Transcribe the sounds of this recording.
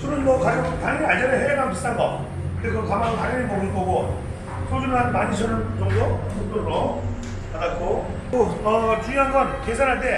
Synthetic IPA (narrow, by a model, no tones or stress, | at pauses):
sʰuɾɯnmʌkajoŋtaŋinaɭd͡ʑʌɾeɦeaɡampist͈ʰanɡʌ | kɯɾesʰʌkamaŋkaɡʌniɭpʌɡɯnk͈ʌɡo | sʰosʰunɯɭɦanmaɲiɕʰʌnɯnt͡ɕʌŋdo | ot͈oɾɾo | aak͈ʰo | ʌt͡ɕuɲjoɦanɡʌnkesʰanɦante̞